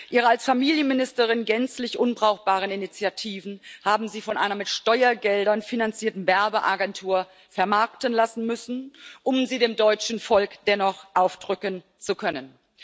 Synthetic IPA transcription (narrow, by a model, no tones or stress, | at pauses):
ʔiːʁəalsfamiːljənmɪnɪstəʁ̞ɪnɡɛnt͡slɪçʔʊnbʁaʊxb̥aːʁəninit͡sjatʰiːvn̩haːbm̩ziːfɔnʔaɪnɐmɪtʃtɔʏɐɡɛldɐnfinant͡siːɐtn̩vɛɐbəʔaɡɛntʰuːɐ | fɛɐmaɐktənlasn̩mʏsn̩ʔʊmziːdeːmdɔʏt͡ʃn̩fɔlkd̥ɛnɔχʔaʊfd̥ʁʏkən | t͡sukʰœnən